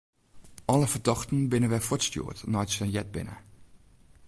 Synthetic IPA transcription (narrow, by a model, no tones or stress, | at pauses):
ʔɔləfərdɑxtən̩bɪnəʋɛfɔtstjṵːətnɔjtsənjɛd̚bɪ̰nə̰